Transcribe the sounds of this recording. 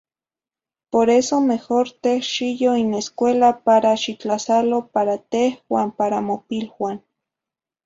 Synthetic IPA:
poɾesomexoɾt̪ehʃijoineskʷelapaɾaʃit͡ɬasalopaɾat̪ehwaːmpaɾamopilwan

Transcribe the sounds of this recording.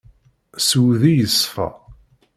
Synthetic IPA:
swðijəsfæ̰

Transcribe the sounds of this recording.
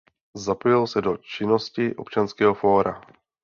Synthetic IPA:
zapojɪlsɛdot͡ʃɪno̞scɪʔo̞̰pt͡ʃanskɛːɦofo̞ːɾa̰

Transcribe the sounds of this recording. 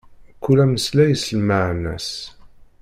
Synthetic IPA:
kːulæməslæjəsəlmaʕnæ̰s

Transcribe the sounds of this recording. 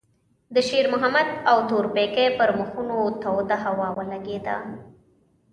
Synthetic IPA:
d̪əʃeɾmʊɦamad̪awt̪oɾpekejpəɾməxunot̪awd̪aɦawɑwəlaɡed̪a̰

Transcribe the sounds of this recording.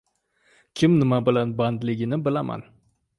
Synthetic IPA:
kʲʰɪmnɪmabɪlanband̪lɪɡʲɪnɪbɪlama̰n

